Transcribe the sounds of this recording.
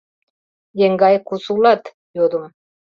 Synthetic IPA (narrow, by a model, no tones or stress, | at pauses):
jeŋɡajkusulat̪ | jod̪um